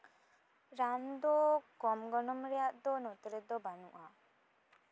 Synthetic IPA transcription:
ɾamd̪ɔkɔmɡɔnɔmɾɛjaʔd̪ɔnɔt̪ɾɛd̪ɔbanṵʔa

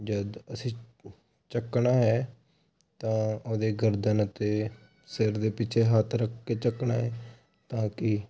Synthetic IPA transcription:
d͡ʒəd̪əsĩː | t͡ʃəkːɳaːɦɛː | t̪ãːoːd̪eːɡəɾd̪ənət̪eː | sɪɾd̪eːpɪt͡ʃʰeːɦaːt̪ʰɾəkʰːeːt͡ʃəknaːɦɛː | t̪ãːkɪ

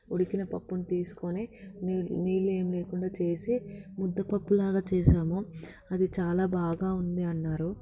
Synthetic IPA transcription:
oɽikinɐpɐpːunit̪iːsu̥koninːniːle̞ːmileːkuɳɖaːt͡ʃe̞ːsimud̪ːɐpɐpːulaːɡaːt͡ʃɛːʃaːmu | ɐd̪it͡ʃaːlaːbʱaːɡaːund̪iɐnːaːɾu

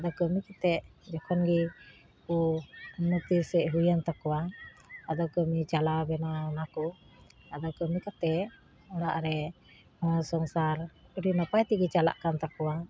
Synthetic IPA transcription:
ad̪ɔkəmikat̪ɛʔd͡ʒɔkʰɔnɡi | unət̪isɛʔɦujant̪akɔwaad̪ɔkəmit͡ʃalabɛnanakɔ | ad̪ɔkəmikat̪ɛ | ɔɽaʔɾɛ | hɔ̃sɔŋsaɾəɾinapajt̪iɡit͡ʃala̰ʔkant̪akɔwa

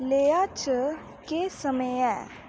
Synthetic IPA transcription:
leːjaːt͡ʃə | keːsəmeɛː

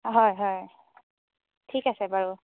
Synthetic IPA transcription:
ɦɔjɦɔj | tʰikasɛbaɹu

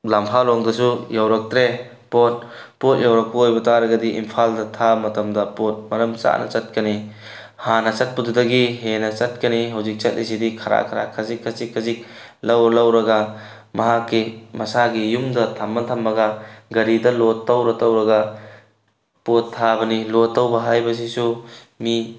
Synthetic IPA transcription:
lampʰalɔŋdɐsujawɾɐk̚tɾe | pot̚ | pot̚jawɾɐk̚pɐojbɐtaɾɐɡɐdiʔḭmpʰaldɐtʰamɐtɐmdɐpot̚mɐɾɐmt͡ʃa̰nɐ̰t͡ʃɐt̚kɐni | hanɐt͡ʃɐt̚pududɐɡiɦenɐt͡ʃɐt̚kɐniɦawzik̚t͡ʃɐt̚lʔis̬idikʰɐɾa̰kʰaɾa̰kʰazikʰːɐsikʰːɐzik̚ | lɐwlɐwɾɐɡɐ | mɐɦakːimɐsaɡijumdɐtʰamːɐtʰambɐɡɐɡɐɾidɐlotːawɾɐtawɾɐɡɐ | potʰːabɐnilotːɐwbɐɦajbɐs̬isu | mi

